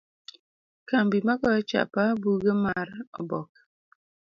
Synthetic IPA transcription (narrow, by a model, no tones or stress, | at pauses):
kambimakɔt͡ʃa̰pabuɡəmaɾɔ̰bɔk̚